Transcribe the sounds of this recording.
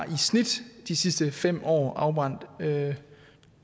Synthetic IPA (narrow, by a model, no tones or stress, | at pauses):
ʔisnid̥d̥isisd̥əfem̰ɒ̰ːʔɑ̈ʊb̥ʁɑ̈n̰d̥